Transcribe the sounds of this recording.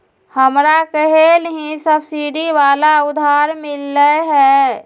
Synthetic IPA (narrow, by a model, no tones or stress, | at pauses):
həmɾakəɦelɦĩsəbsiɖiʋaːlaʊd̪ʱaːɾmɪlːəɦɛː